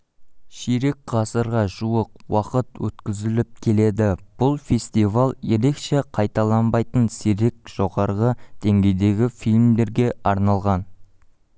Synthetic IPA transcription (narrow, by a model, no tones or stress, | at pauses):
ʃiɾekʁ̥ɑsəɾʁɑʒuəqwɑqət̪wɵ̰t̪kʲɪzɪlɪp̚kʲʰe̞le̞d̪ɪb̥ʊlˠfʲe̞st̪ivalˠje̞ɾe̞kʃe̞qʰɑjt̪ɑlˠɑnbɑjt̪ənsiɾek̚ʒ̥o̞ʁɑɾʁəd̪̥e̞ŋɡʲe̞jd̪e̞ɡʲɪfilʲmd̪e̞ɾɡʲe̞ɑɾnɑlˠʁɑn